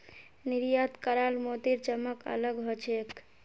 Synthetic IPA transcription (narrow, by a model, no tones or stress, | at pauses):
niɾjat̪kəɾalmot̪iɾt͡ʃəmːəkə̰ləɡɦot͡ʃʰek